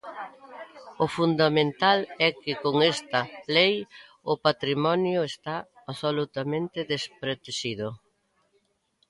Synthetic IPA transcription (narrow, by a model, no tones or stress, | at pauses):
ʊfund̪amẽnt̪alɛkɪkoŋest̪ɐlej | ʊpat̪ɾimɔnjʊest̪aː | solut̪amẽnt̪ɪðespɾet̪eʃiðʊ